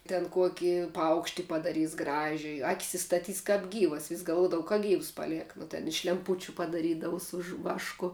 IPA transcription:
tʲɛn ˈkuɔkʲɪ ˈpɐʊkʃʲtʲɪ pɐdɐˈrʲiːs ˈɡrɑːʒʲʊjɪ ˈɑːkʲɪs ɪstɐˈtʲiːs kɐp ˈɡʲiːʋɐs ʋʲɪsʲ ɡɐlˠˈʋuɔdɐʋɐ kɐ ˈɡʲiːws ˈpɑːˌlʲiɛk nʊ tʲɛn ɪʃ lʲɛmˈpʊt͡ʃʲʊ pɐdɐˈrʲiːdɐʋʊ sʊ ʒʋ ˈʋɑːʃkʊ

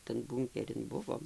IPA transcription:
tɐn ˈbuːŋʲkʲɛrʲɪn ˈbʊʋoːm

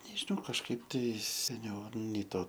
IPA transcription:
nʲɛʒʲɪˈnɐʊ kɐʃˈkɐɪp tɐɪ sʲɛˈnʲɛʊ ˈnʲɛɪ ˈtoː

